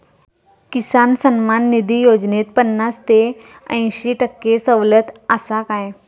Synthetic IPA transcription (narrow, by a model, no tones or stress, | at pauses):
kisansənmanːid̪ʱijod͡ʑnet̪̚pənːast̪e | ə̃j̃ɕiʈəkːesəʋlət̪asakãj